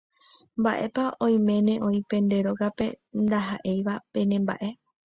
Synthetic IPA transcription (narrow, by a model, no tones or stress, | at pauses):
mbaʔe̞paõ̞j̃mẽ̞nẽ̞ʔõ̞ĩpẽ̞nd̪e̞ɾo̞ɡape̞ | nd̪aɦaʔe̞jʋapẽ̞nẽmba̰ʔe̞